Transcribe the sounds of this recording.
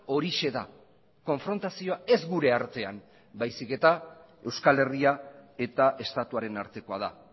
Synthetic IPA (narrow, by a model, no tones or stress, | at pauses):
o̞ɾiʃe̞ða̰ | ko̞ɱfɾo̞nt̪asio̞ae̞zɡuɾe̞aɾt̪e̞am | bajsike̞t̪a | e̞wskale̞riae̞t̪aʔe̞st̪at̪uaɾe̞naɾt̪e̞ko̞að̞a̰